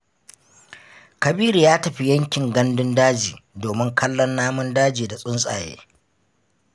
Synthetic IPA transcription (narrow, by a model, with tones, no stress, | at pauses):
kɐ˨biː˦ɾi˨jaː˦tɐ˨ɸi˦jɐ˦ŋkʲɪ˨ŋɡɐ˦ndʊ˦ndaː˦d͡ʒiː˨doː˨mɪ˦ŋkʰɐ˦lːɔ˦nːaː˦mʊ˦ndaː˦d͡ʒiː˨da˨sʼʊ˦nsʼa̰ː˨jḛː˦